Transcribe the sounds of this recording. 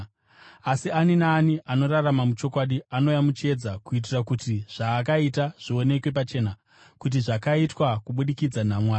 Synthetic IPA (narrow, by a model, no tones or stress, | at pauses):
asianinaːniʔano̞raramamut͡ʃo̞kwaɗiano̞jamut͡ʃe̞d͡zakuit̬irakutiʐ̥aːk̬aitaʐ̥io̞ne̞kwe̞pat͡ʃe̞ːna | kut̬iʐakaitwakuɓuɗikid͡zan̤amwaː